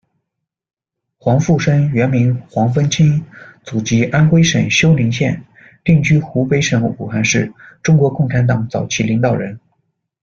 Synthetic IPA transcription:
xwɑ˧˥ŋfu˥˩ʂə˥ŋɥɛ˧˥nmi˧˥nxwɑ˧˥ŋfə˥nt͡ɕʰi˥nt͡su˨˩t͡ɕi˧˥ʔa˥nxwe˥ɪʂə˨˩ŋɕjo˥ʊli˧˥ŋɕjɛ˥˩n | t̪i˥˩ŋt͡ɕy˥xu˧˥pe˧˥ɪʂə˧˥ŋ˩u˨˩xa˥˧nʂɻ̩˥˩ʈ͡ʂʊ˥ŋkwɔ˧˥kʊ˥˩ŋʈ͡ʂʰa˧˥nt̪ɑ˧˩ŋt͡sɑ˨˩ʊt͡ɕʰi˥˩li˧˥ŋt̪ɑ˨˩ʊɻə˧˥n

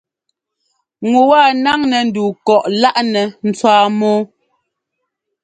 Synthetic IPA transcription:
ŋu˨wa˦˨na˦ŋnɛ˨n̩˨duː˨kɔ˨ʔla˦ʔnɛ˨n̩˨t͡swaː˦mɔː˦

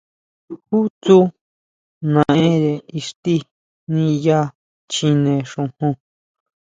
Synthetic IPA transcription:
xu˦t͡su˦ | nã˧˨ʔẽ˦ɾe˨i˧ʂt̪i˦ | nĩ˧ja˦ | t͡ʃĩ˧nẽ˧˨ʂũ˧hõ˧

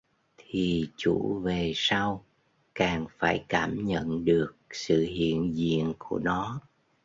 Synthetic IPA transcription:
t̪ʰi˨˩t͡ɕu˧˩ve˨˩sa˧w | kaː˨˩ŋfaː˧˩jkaː˧˩mɲə̰˧˨nɗɨ˨˩ək̚sɨ̰˧˨ɦḭ˧˨ənzḭ˧˨ənku˧˩ənɔ˨˦

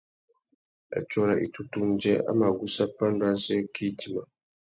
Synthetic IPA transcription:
a̰˨t͡ʃɔ˦ɾa˨ʔḭ˨tu˦tu˦n̩˦d͡ʒɛ˦a̰˦ma˨ɡu˦sa˦pa˦n˦da˦sɛ˦kʰi˦ti˦ma˨

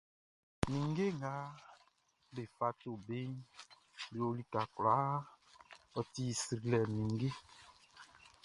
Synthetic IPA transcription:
mĩ˨ŋ˦ɡe˦ŋa˨˦ | be˨fa˨to˨be˦n˦ | le˨o˦li˦ka˨kla˨˦ | ɔ˨ti˦˨si˨ɾi˨lɛ˨mĩ˨ŋ˦ɡe˦

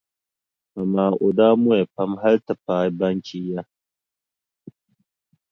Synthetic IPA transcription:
mɐ˨maː˨ʔʊ˨d̪aː˦mu˦e˨pɐ˦mɦɐ˦ɾt̪ɐ˨paː˨˦bɐ˦ŋki˦ja˦

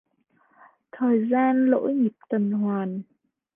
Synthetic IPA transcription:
t̪ʰəː˨˩jzaː˧nlo̰˧˥jɲi˨˩p̚t̪ə˨˩nɦwaː˨˩n

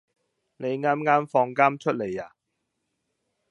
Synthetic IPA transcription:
ne˨˧jŋaː˥mŋaː˥mfɔː˧ŋkaː˥mt͡ʃʰɵ˥t̚le˨˩jaː˨˩

